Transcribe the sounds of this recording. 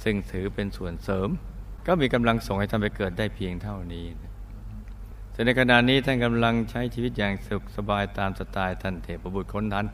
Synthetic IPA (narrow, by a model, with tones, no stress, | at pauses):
sɯ˥˧˩ŋsɯː˩˦pe˧nsu˨˩ənsɤː˩˦mkɔː˥˩miː˧ka˧mla˧ŋso˨˩ŋha˥˩t̪ʰa˥˩pa˧jkɤː˨˩t̪̚daː˥˩jpʰi˧əŋt̪ʰa˥˩wniː˦˥n˥˩ | sɯ˧˩ŋna˧jkʰa˧na˨˩t̪niː˦˥t̪ʰa˥˩nka˧mla˧ŋt͡ɕʰa˦˥jt͡ɕʰiː˧wi˦˥t̪̚jaː˨˩ŋsu˨˩k̚sa˧baː˧jt̪aː˧msa˧t̪aː˧jt̪ʰa˥˩nt̪ʰeː˨˩p̚ːo˧˩bu˨˩kʰo˧˥nt̪ʰaː˦˥n